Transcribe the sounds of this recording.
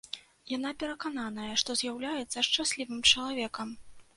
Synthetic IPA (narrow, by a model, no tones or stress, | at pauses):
janapʲɛɾɐkananɐjɐʂt̪ɔzʲjawlʲajɛt̪sːɐʂt͡ʂasʲlʲivɨmt͡ʂɐlˠavʲɛkɐm